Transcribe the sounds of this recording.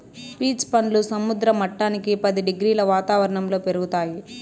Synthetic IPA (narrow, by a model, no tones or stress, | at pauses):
piːspɐɳlusɐmud̪ɾɐmɐʈːaːnikipɐd̪iɖeɡɾiːlɐʋaːt̪aːʋɐɾɐɳɐmlo̞ːpe̞ɾuɡut̪aːji